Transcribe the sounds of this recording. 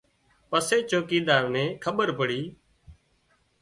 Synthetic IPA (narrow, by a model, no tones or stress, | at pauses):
pəseːt͡ʃoːkiːd̪aːʋnẽːkʰəɓəɾpəɽiː